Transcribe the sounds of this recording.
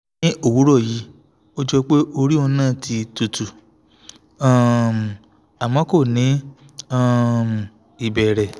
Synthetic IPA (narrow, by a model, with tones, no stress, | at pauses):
ĩ˦o˦˨wu˨˦ɾɔ˦˨ji˨˦ | o˦d͡ʒɔ˧k͡pe˦ʔo˧ɾi˦ɔ˧nãː˦˨tʰi˧tu˧tu˨ | a˦˨ | a˨mɔ̃˨˦ko˦˨nĩ˨˦ | a˦˧˦m˨ | i˨bɛ˨ɾɛ˨